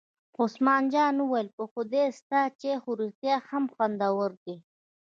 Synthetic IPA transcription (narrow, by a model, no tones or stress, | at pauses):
ʊsmɑːnd͡ʒɑːnuwajlpəxʊd̪est̪at͡ʃexuɾixt̪jaxamxwand̪awəɾd̪i